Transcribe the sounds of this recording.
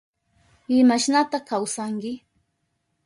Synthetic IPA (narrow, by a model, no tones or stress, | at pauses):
ɪmaʃnat̪akawsaŋkɪ